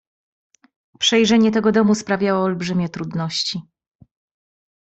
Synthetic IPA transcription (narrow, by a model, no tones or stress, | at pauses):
pʂɛjʐɛɲɛt̪ɛɡɔd̪ɔmuspɾavʲjawɔːlbʐɘmʲjɛt̪ɾud̪nɔɕt͡ɕi